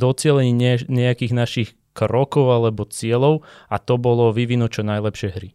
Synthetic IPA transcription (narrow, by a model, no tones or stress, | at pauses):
ɔt͡sɪɛlɛɲiɲɛakiːɣnaʃix | kɾɔkɔʊalɛbɔt͡sɪɛlɔʊat̪ɔbɔlɔʋiʋinɔt͡ʃɔnajlɛpʃɪɛjɦɾi